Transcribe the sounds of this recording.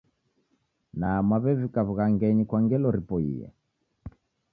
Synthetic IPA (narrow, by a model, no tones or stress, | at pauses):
naːmwaβɛvikaβuɣaŋɡɛɲikwaŋɡɛlɔɾipɔḭjɛ̰